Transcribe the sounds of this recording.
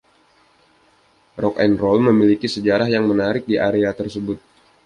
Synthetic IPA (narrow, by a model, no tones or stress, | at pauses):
rɔkɛnrɔlməmilikisəd͡ʒaɾahjaŋmənaɾɪk̚diʔaɾeat̪ərsəbʊt̪̚